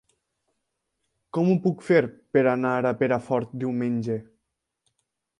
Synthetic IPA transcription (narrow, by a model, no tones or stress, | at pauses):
kɔmupukfeɾpeɾanaɾapeɾafɔɾt̪̚d̪iwmenʲd͡ʒe